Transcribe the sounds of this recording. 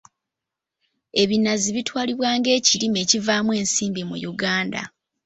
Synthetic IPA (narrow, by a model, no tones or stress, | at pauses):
e̞βinaziβitwaːliβwaːŋɡe̞ːciɾime̞ːcivaːmwe̞ːnsiːmbimṵjuɡaːnda̰